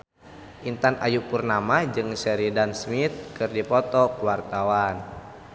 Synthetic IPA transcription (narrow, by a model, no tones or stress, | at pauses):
ʔint̪anʔa̰juʔpurnamad͡ʒɨŋsɛɾidansmit̪̚kɨrdipɔt̪ɔkuwart̪awan